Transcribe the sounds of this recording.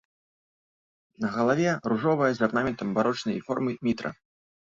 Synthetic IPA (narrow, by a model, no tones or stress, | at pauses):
nɐɣɐlˠavʲɛruʐɔvɐjɛzɐrnamʲɛnt̪ɐmbaɾɔt͡ʂnɐjfɔrmɨmʲit̪ɾɐ̰